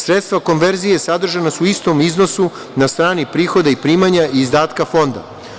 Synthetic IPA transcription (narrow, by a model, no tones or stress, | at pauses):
sɾet̪st̪vʋako̞nʋe̞ɾzije̞sad̪r̩ʒanasuist̪o̞mizno̞su | nast̪ɾaːnipɾiːxo̞d̪aipɾiːmaɲaiːzd̪aːt̪kafo̞nd̪a̰